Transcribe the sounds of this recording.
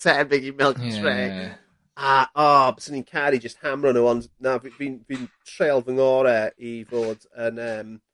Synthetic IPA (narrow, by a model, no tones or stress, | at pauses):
tʰɛnbɪɡimɪlˠkə̃ntʰɹeː | aʔɔbəsənĩnkʰaɾid͡ʒəst̚hamɾənəwɔnznavivinviːntʰɹeːlˠvəŋɔɾɛivoːdənəːm